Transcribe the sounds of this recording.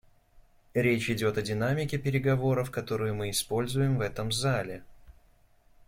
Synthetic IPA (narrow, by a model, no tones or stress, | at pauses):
ɾʲet͡ɕɪdʲo̞t̪ɐdʲɪnamʲɪkʲɪpʲɪɾʲɪɡɐvo̞ɾəfkɐt̪o̞ɾɨjʊmɨɪspo̞lʲzʊjɪmvɛt̪əmzalʲɪ